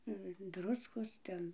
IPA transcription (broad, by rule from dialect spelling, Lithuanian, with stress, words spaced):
ɪ ˈdrʊskoːs ˈtʲɛn